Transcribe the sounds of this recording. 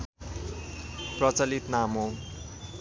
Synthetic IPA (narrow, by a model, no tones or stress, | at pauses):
prʌt͡sʌlit̪namo